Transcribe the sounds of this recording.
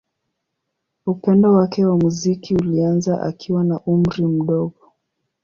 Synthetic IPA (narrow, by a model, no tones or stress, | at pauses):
upɛndɔwakɛwamuzikiulianzaʔa̰kʰiwanaʔum̩ɾim̩ɗɔɠɔ